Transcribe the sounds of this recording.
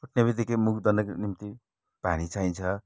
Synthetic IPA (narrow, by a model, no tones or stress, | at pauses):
uʈnebit̪ekemukd̪ʌnʌknimt̪i | panit͡sajt͡sʰʌ